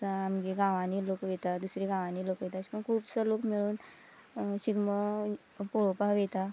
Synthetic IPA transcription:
əamɡiɡãʋãnilokʋet̪ad̪usɾiɡãʋãnilokʋet̪aɕi̥pəɳkʰuːbsəlokmiɭuːn | ɕiɡmə | poɭopaʋet̪a

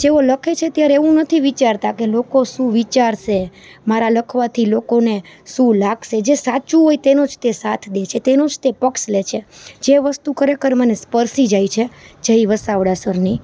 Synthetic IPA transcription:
d͡ʒeoləkʰet͡ʃʰet̪jaɾeʋũnət̪ʰiʋit͡ʃaɾt̪akelokoʃũʋit͡ʃaɾʃe | maɾaləkʰʋat̪ʰilokoneʃũlaɡʃed͡ʒesat͡ʃũɦojt̪enod͡ʒt̪esat̪ʰd̪et͡ʃʰet̪enod͡ʒt̪epəkslet͡ʃʰed͡ʒeʋəst̪ukəɾekəɾmənespəɾsid͡ʒajt͡ʃʰed͡ʒəiʋəsaʋɽasəɾni

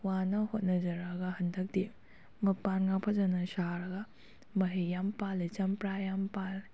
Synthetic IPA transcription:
wanɐhot̚nɐd͡ʒɐɾaɡɐhɐndɐk̚di | mɐpːanŋapʰɐzɐnɐsaɾɐɡɐ | mɐɦejampalit͡ʃɐmpɾajampal

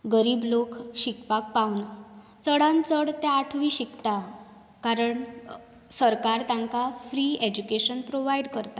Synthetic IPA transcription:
ɡəɾiːblokɕikpak̚paun | t͡səɽãnt͡səɽt̪ɛaʈʰʋiːɕikt̪a | kaɾəɳ | səɾkaɾt̪aŋkafɾiːed͡ʑukeɕənpɾoʋajɽkəɾt̪a

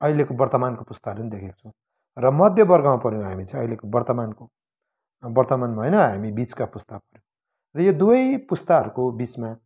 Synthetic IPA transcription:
ʌilekobʌrt̪ʌmankopust̪aɦʌɾupʌnid̪ekʰeko̥t͡sʰʌ̃ | rʌmʌd̪ʱjʌbʌrɡʌmapʌɾjõɦamit͡saĩʌilekobʌrt̪ʌmanko | bʌrt̪ʌmanmaɦʌjnʌɦamibit͡skapust̪apʌɾjõ | rʌjod̪uʌjpust̪aɦʌɾukobit͡sma

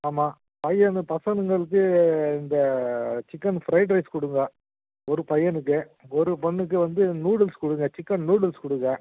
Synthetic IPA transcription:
aːmaː | pɐjɐnpɐsɐnɯŋɡɐɭɯk̬ːɯɪnd̪ɐt͡ʃɪkːɐnfɾɐɪʈ̬ɾɐɪskɔɽɯŋɡɐ | ɔɾɯpɐjːɐnɯk̬ːɯ | ɔɾɯpɐɳːɯk̬ːɯʋɐnd̪ɯnuːɽɐlskɔɽɯŋɡɐt͡ʃɪkːɐnnuːɽɐlskʊɽɯŋɡɐ

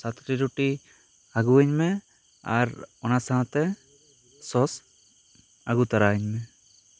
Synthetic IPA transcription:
sat̪ʈiɾuʈi | aɡuəɲmɛ | a̰ɾɔnasaɦãt̪ɛ | sɔs | aɡut̪aɾaɛɲmɛ

